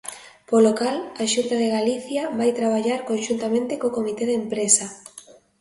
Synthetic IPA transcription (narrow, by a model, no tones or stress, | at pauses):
polokalaʃunt̪aðeɣaliθjaβajt̪ɾaβ̞aʎaɾkonʃunt̪amẽnt̪ekokomit̪eðempɾesa